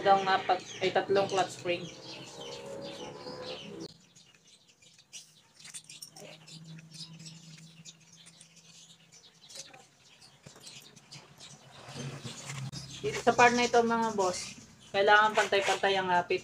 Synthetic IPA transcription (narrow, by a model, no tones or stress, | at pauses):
ɡoŋapɐʔɐjt̪ɐt̪loŋklad̪̚spɹɪŋ | sɐpaɹt̪nɐɪt̪oŋmɐŋabo̞s | kɐjlaːŋɐnpɐnt̪ajpɐnt̪ajɐŋaːpɪt̪